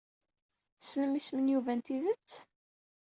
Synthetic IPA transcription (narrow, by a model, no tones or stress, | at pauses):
snəmismənjuvænt̪iðət͡sː